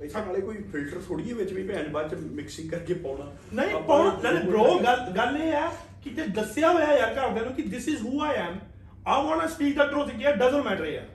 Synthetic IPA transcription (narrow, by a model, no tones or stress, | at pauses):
ɪsʰãːnaːleːkoːiːpʰɪlʈəɾt̪ʰoːɽieːʋɪt͡ʃʋiːpɛ̃ːnbaːɾt͡ʃmɪksɪŋkːəɾkɡeːpɔ̃ːnaː | nəĩːpɔɛleːɾoːɡəlɡəleːɛː | kɪt̪eːd̪əsɪjaːɦoːjaːjaːɾk̪ad̪eːnũːkɪd̪ɪsɪzɦuːaːɪɛ̃ːm | ãɪmɔ̃ːnaːsʈiːʈ̪əd̪ɾõːsɪkiɛːɖəzə̃nmɛːʈəɾeːɛ̰ː